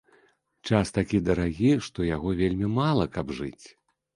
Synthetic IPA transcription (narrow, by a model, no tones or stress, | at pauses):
t͡ʂast̪akʲid̪ɐɾaɣʲiʂt̪ɔjaɣɔvʲelʲmʲimalˠɐkɐbʐɨ̰t͡sʲ